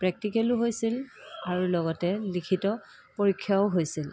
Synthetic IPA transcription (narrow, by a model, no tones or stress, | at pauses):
pɹɛk̚tikelʊɦojsilaɹulɔɡɔtɛlikʰitɔ | poɹikʰːjaʊɦojsil